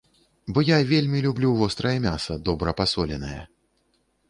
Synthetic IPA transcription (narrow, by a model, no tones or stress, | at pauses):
bɔjavʲelʲmʲilʲublʲuvɔst̪ɾɐjɐmʲasɐd̪ɔbɾɐpasɔlʲɛnɐjɛ̰